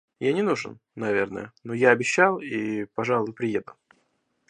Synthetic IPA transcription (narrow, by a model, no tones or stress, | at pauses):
janʲɪnuʐɨ̰nːɐvʲe̞rnə̰jənojaɐbʲɪɕːalˠipɐʐɑlˠvʊpɾʲɪjed̪əlˠ